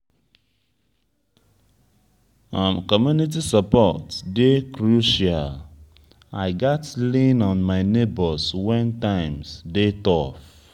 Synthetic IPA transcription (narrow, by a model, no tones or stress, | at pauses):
ãmkɔmjunit̬isapɔtdekɹuʃal | aɪɡatlĩnɔ̃nmaɪnebɔswɛ̃ntãɪ̃msdetɔf